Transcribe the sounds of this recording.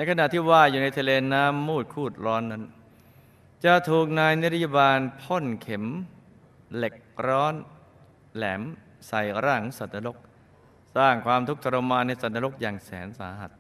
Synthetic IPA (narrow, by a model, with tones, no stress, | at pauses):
na˧jkʰa˧na˨ʔt̪ʰiː˥˩waː˧juː˨˩na˧jt̪ʰa˧leː˧naː˦˥mːuː˥˩t̪̚kʰuː˥˩t̪̚ɾɔː˦˥nːa˦˥n | t͡ɕa˧˩t̪ʰuː˨˩k̚naː˧jn̚˦˥ɾa˥˩ja˧˩baː˧npʰo˥˩nkʰe˨˩˦m | le˨˩k̚ɾɔː˦˥n | lɛː˩˦m | sa˨˩jɾaː˥˩ŋsa˨˩t̪̚na˧ɾo˦˥k̚ | saː˥˩ŋkʰwaː˧mt̪ʰu˦˥k̚t̪ʰa˧ɾa˧maː˧nːa˧jsa˨˩t̪̚a˧ɾo˦˥k̚jaː˨˩ŋsɛ̰ː˩˦nsa̰ː˩˦ha˨˩t̪̚